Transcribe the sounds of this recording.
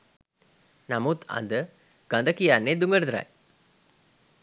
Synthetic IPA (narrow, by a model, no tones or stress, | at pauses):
namut̪a̰nd̪ə | ɡ̥and̪əkijanːed̪uŋɡəɾəd̪ɾa̰j